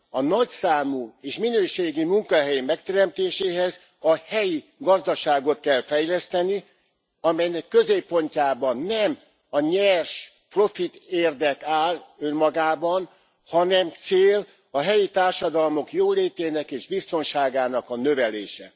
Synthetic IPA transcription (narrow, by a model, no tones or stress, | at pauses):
ɒnɒcsaːmueːʃminøːʃeːɡimuŋkɒɦɛjimɛkt̪ɛɾɛmt̪eːʃeːɦɛz | ɒhɛji | ɡɒzd̪ɒʃaːɡo̞t̪̚kɛlfɛjlɛst̪ɛni | ɒmɛjnɛkːø̞zeːpːo̞ɲcaːbɒnːɛm | ɒɲɛrʃ | pro̞fit̪eːrd̪ɛkaːlømːɒɡaːbɒn | hɒnɛmt̪seːl | ɒɦɛjit̪aːrʃɒd̪ɒlmo̞kjoːleːt̪eːnɛkeːʒbist̪o̞nʃaːɡaːnɒkɒnøvɛleːʃɛ̰